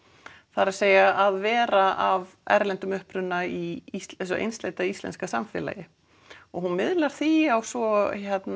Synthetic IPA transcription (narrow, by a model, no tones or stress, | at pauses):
θaɾaðseːjaʔaðvɛːɾaʔav | ɛ̰ɾlɛnt̪ʏmʏhpɾʏnːaiesɔʔḛjnst̪leːjt̪aistlɛ̰nskasamfɛ̰la̰jɪ | ɔɣhunmɪðlaɾ̥θiawsvɔçɛt̪n